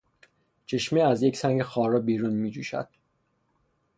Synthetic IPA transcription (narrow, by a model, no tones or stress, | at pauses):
t͡ʃʰe̞ʃmeæzje̞cʰsæŋɟexɒːɾɒːbiːɾunmiːd͡ʒuːʃæ̰d̪̥